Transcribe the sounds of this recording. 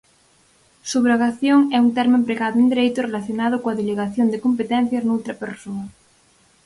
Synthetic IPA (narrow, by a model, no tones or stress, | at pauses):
suβɾaɣaθjoŋɛuŋt̪ɛɾmẽmpɾeɣaðound̪eɾejt̪ʊrelaθjonað̞ʊkoaðeleɣaθjond̪ekompet̪ɛn̟θjaznowt̪ɾɐpeɾsonɐ